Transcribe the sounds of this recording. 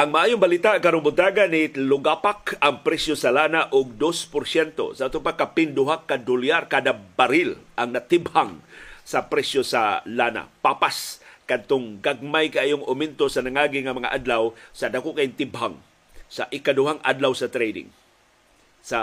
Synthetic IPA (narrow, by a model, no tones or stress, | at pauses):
ʔaŋmaʔaːjʊŋbalit̪aʔkaɾoŋbʊt̪aɡanilʊɡapakɐŋpɾɛsjosalanaʔʊɡ̚d̪ospʊɾsɛnt̪o̰saʔat̪ʊpakːapɪnd̪ʊɦakːad̪ʊljarkaːd̪abaɾɪlʔaŋnat̪ɪbhaŋsapɾɛsjosalana̰papaskad̪̚t̪ʊŋɡaɡ̚majkaʔajoŋʊmɪnt̪osanaŋaːɡɪŋamɐŋa̰ʔad̪lawsad̪akoʔkaɪnt̪ɪbha̰ŋ | saʔɪkad̪ʊɦaŋʔa̰d̪lawsɐt̪ɾɛjd̪ɪ̰ŋ | sa